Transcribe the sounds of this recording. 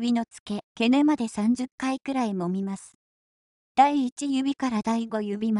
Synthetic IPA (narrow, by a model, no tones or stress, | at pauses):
bʲino̞t͡sɨ̥ke̞ke̞nɯmad̪e̞sãɲ̟d͡ʑɨkːaikɯ̟ɾaimo̞mʲimasɨ̥ | d̪̥aiːt͡ɕijɯ̟bʲikaɾad̪aiɡo̞jɯ̟bʲima